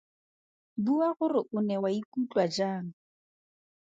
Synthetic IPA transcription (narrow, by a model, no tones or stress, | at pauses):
buaɣʊrɪʔʊnɛwaikut͡ɬʼwad͡ʒaːŋ̩